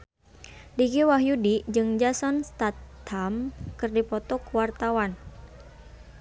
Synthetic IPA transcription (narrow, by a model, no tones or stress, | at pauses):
diɡiwaɦjudid͡ʒɨŋd͡ʒasɔnst̪at̪hamkɨrdipɔt̪ɔkəwart̪awan